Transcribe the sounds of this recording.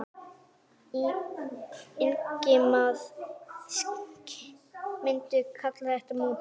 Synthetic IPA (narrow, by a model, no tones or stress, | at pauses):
i | ɪnkɪmaðsk | mɪnt̪ʏkʰat̪laθɛht̪amu